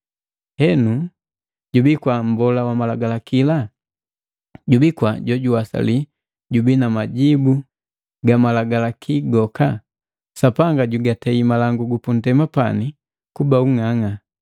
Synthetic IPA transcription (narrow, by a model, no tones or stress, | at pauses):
hɛnu | ɟubikwam̩bɔlawamalaɡalakila | ɟubikwaɟɔɟuwasa̰li | ɟubinamaɟibu | ɡamalaɡalakʰiɡɔka | sapaŋɡaɟuɡatɛimalaŋɡuɡupun̩tɛmapani | kubauŋaŋa